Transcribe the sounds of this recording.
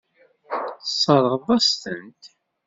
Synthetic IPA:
sˤːɑɾˤəʁðˤɑst̪ənt̪

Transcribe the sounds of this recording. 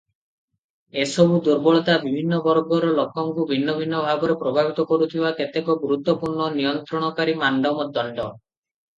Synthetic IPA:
esɔbʱud̪uɾbɔɭɔt̪abibʱinːɔbɔɾɡɔɾɔlɔkɔŋkubʱinːɔbʱinːɔbʱaɡɔɾepɾɔbʱabit̪ɔkɔɾut̪ʰibaket̪ekɔɡuɾut̪wɔpuɾɳɔnijɔnt̪ɾɔɽ̃ɔkaɾimaɳɖɔmɔd̪ɔɳɖɔ

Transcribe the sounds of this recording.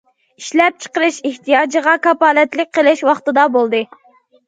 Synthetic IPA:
iʃlɛp̚t͡ʃʰə̥qəɾɨʃeht̪ʰijɑːd͡ʒəʁɑkɑpɑːlɛt̪lɪk̚ʲqʰəlˠɪʃwɑχt̪ɨd̪ɑbolˠd̪ɨ

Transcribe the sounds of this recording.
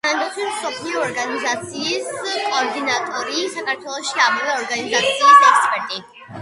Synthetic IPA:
t̪ʰand̪aχilˠsɔpʰliɔːɾɡanizat̪sʰiːskʼɔːɾd̪inat̪ʼɔɾisakʰaɾt̪ʰwɛlˠɔʃiamavɛɔɾɡanizat̪sʰiɔsɛkspʼɛɾt̪ʼi

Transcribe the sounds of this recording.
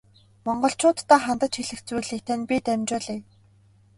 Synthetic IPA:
mɔɴɢɞ̆ɬt͡ɕʊːt̪ːaːχant̪ə̆t͡ɕxiɮɘ̆kt͡sujɮiːk̚t̪ʰænʲpʲit̪æmʲt͡ɕʊːɮeː

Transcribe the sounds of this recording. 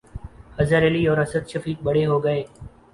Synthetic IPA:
həzəɾeːliːɔːɾəsəd̪ʃəfiːk̚ɓəɽ̤eːɦoːɡəeː

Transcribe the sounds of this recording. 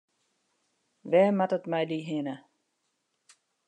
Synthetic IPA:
ʋɛːmatətmɛjdiɦɪnə

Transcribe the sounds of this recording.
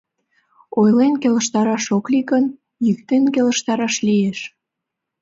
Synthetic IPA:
ojlenkelə̆ʃt̪ɑɾɑʃoklikən | jyk̚t̪enkeləʃt̪ɑɾɑʃlieʃ

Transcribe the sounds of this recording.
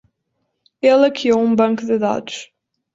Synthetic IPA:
ɛlˠɐkiowũbɐ̃ŋkuðɨða̰d̪uʃ

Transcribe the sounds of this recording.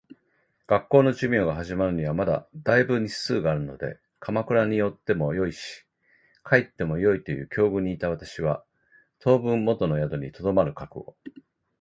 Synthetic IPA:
ɡ̥akːo̞ːno̞ʑɨmʲo̞ːɡaɦaʑimaɾɯ̟ɲ̟iβ̞amad̪a̰d̪aibɯ̟ɲ̟isɨːɡaːɾɯ̟no̞̰d̪e̞̰ | kʰamakɯ̟ɾaɲ̟ijo̞t̪ːe̞mo̞jo̞iɕi̥ | kʰait̪ːe̞mo̞jo̞it̪o̞jɯ̟̰ːkʲʰo̞ːɡɯ̟ɲ̟iːt̪aβ̞at̪aɕiβ̞a | t̪ʰo̞ːbɯ̟̃mːo̞t̪o̞no̞jad̪o̞ɲ̟it̪o̞d̪o̞maɾɯ̟kakɯ̟̰o̞̰

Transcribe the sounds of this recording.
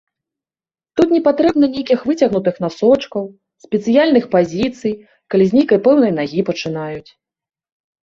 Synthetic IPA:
t̪ut̪nʲɛpat̪ɾɛbn̪ɐnʲejkʲixvɨt͡sʲɐɣnut̪ɨxnasɔt͡ʂkɐw | sʲpʲɛt̪sɨjalʲnɨxpazʲit̪sɨj | kalʲizʲnʲejkɐjpɛwnɐjnaɣʲipɐt͡ʂɨnajut͡sʲ

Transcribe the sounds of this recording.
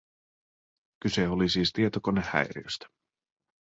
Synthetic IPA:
kyse̞olisiːst̪iet̪okonːehæ̰jɾḭø̰st̪æ̥

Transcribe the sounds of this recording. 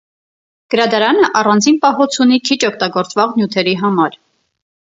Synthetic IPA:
ɡ̥əɾɑd̪ɑɾɑnəʔɑrɑnd͡zinpɑɦɔt͡sʰunikʰit͡ʃɔk̚ʰt̪ɑɡɔɾt͡svɑʁnjut̪ʰɛɾiɦɑmɑɾ

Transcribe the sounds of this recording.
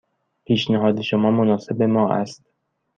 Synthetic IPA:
pʰiːʃnæɦɒːd̪eʃomɒːmonɒːse̞bemɒːʔæ̰st̪̚

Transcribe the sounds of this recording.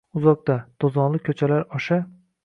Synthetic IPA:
ʊzɒk̚d̪ad̪̥ozɒnlˠɪkʲʰɵt͡ʃʰalaɾɒʃa

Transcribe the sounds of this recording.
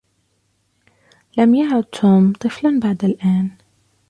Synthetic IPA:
lamjaʕʕʊd̪̚t̪ʰuːmt̪ˤɨflanbaʕd̪alʔaːn

